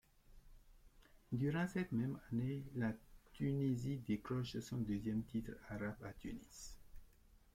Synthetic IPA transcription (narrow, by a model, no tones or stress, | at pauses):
d̪yʁɑ̃sɛt̪mɛmanelat̪ynizid̪eklɔʃsɔ̃d̪øzjɛmt̪ʰit̪χaʁabat̪ynis